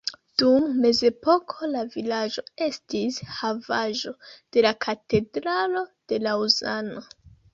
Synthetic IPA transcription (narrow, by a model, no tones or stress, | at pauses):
d̥umːe̞ze̞po̞kʰo̞lavilad͡ʒo̞e̞stishavaʒo̞d̥e̞lakʰate̞dɾalo̞d̥e̞lauza̰no̞